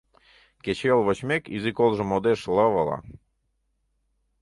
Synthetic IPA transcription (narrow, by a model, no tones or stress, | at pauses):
ket͡ɕelˠβot͡ɕmekḭzikolˠʒə̆mod̪eʃlɤβəlɑ̰